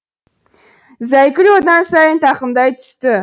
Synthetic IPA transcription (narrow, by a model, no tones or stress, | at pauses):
zæjkʲɪɾod̪ɑnsɑjənt̪ʰɑqəmd̪ɑjt̪ʰʏ̥st̪ɪ